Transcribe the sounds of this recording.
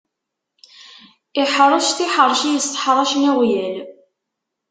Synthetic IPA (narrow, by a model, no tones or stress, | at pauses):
ɪħɾˤɑʃt̪iħəɾˤʃijəst̪ˤə̥ħɾˤɑʃnæwjæl